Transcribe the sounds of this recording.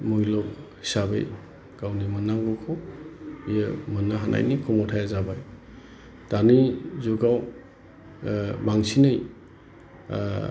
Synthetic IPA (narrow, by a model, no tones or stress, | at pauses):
mujlɔkhi̥sabḛj | ɡ̥awnimɯnaŋɡɔkʰɔ | ijəmɯnaɦanʔa̰jnikʰɔmɔtʰajazabaj | tanizuɡaw | baŋsinɯj